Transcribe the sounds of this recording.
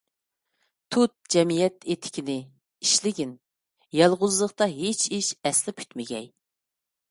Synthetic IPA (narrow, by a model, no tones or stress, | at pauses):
t̪ʰut̪̚d͡ʒɛmijɛt̪et̪ʰɪ̥kʲʰinɪ | iʃlɪɡʲin | jɑlˠʁʊzlˠəqt̪ɑɦet͡ʃʰiʃɛslɪpʲʰy̥t̪mɪɡʲɛ̰j